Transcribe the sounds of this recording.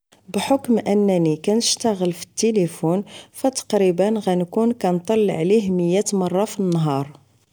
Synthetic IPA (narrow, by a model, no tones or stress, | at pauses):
bħokmʔənːænikænəʃt̪æɣəlfi̥t̪ːelifunfæt̪ɑ̥qɾibənɣænkunkænt̪ˤɑlːʕliɦməjːæt̪mɑrˤːɑfinːɦɑɾˤ